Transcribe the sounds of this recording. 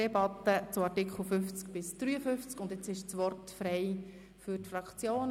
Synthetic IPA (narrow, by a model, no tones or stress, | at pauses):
ɛbɑt̪ːət͡sʊɑɾtɪkχl̩fʏft͡skb̥ɪsd̥ɾyːəfʏft͡skʊndɪt͡sɪʃt͡sʋɔrtfɾɛɪ | fyɾtfrɑkt͡sjoːn